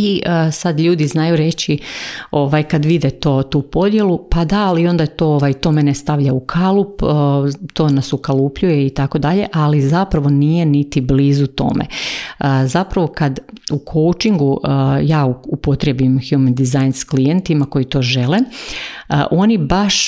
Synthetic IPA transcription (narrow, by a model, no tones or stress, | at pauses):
iʔəsad̪ʎuːd̪iznajuɾe̞t͡ɕio̞ʋajkad̪ʋid̪et̪o̞ːt̪uːpo̞d̪je̞lupad̪aːlio̞nd̪ajt̪o̞ːoʋajt̪o̞menest̪aʋʎaukʰalˠupː | t̪o̞ːnasukalˠupʎuje̞it̪ako̞d̪aʎe̞ʔalizapɾaʋo̞nije̞nit̪ibliːzut̪o̞̰ːmḛəzapɾaʋo̞kad̪ukʰo̞wt͡ʃiŋɡuʔjaːuupo̞t̪ɾebimxjumend̪izajnsklijent̪imako̞jit̪o̞ːʒe̞le | əʔo̞nibaʃ